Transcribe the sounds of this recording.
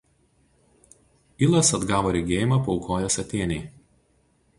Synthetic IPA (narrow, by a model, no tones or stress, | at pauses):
ilˠɐsɐd̪ɡɑːʋoːɾʲɛɡʲeːjɪmɐˑpɔʊkʰoːjosɐt̪ʲeːnʲɛɪ